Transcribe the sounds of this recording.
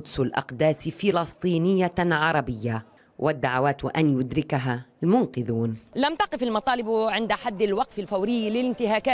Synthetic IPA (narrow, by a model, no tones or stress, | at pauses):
ʊd̪sʊlʔɑ̰qd̪aːsfɪlɑsˤt̪ˤiːnɪjːaʕɑɾˤɑbɪjːa | wʔad̪ːaʕawaːt̪wɪ̰ʔanjʊd̪ɾɪkaɦalmʊnqɪðuːnlamt̪ɑqɪfalmɑt̪ˤɑːlɪbʕɪnd̪ħad̪ːɪlwɑqfalfawɾɪjːlɪlɪnt̪ɪɦaːkaː